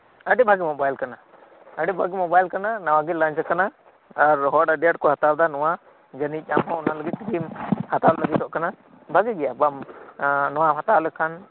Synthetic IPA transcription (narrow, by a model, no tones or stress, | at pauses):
əɖibʱaɡimɔbajlkana | əɖibʱaɡimɔbajlkananawaɡilãɲt͡ʃkanaː | ɾɦɔɖaɖɛaɖ̚kɔhat̪aɾd̪anɔwa | d͡ʒənic̚ˀamɦɔ̃ɔnaləɡit̪̚ːiɡimhat̪alləɡit̪ɔʔkana | bʱaɡɛɡɛjabam | nɔwaɦat̪alɛkʰan